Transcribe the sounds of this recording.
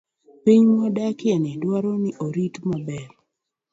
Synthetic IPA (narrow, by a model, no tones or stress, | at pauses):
piɲmɔdakɪɛnɛdwaɾɔnɪʔoɾitmabɛr